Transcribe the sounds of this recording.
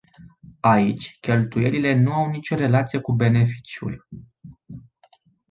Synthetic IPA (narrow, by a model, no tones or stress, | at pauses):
ait͡ʃʲkʲe̞lt̪uje̞lile̞nuawnit͡ʃʲo̞ɾe̞lat̪sijekube̞ne̞fi̥t͡ʃjṵl